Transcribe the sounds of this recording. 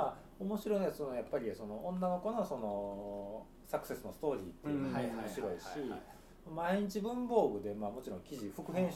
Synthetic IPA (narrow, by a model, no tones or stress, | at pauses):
a | omo̞ɕiɾo̞inoat͡sɨnojapːaɾʲiso̞no̞õnːano̞ko̞no̞so̞no̞ | sakɯ̟̥se̞sɨno̞sɨ̥t̪o̞ːɾʲiːt̪ːeamoɕiɾo̞iɕi | mamaeɲ̟it͡ɕibɯ̟̃mbo̞ːɡɯ̟d̪e̞maːmo̞t͡ɕiɾõ̞ŋkʲiʑiɸɯ̟kɯ̟ɦẽ̞ɰ̃ɕ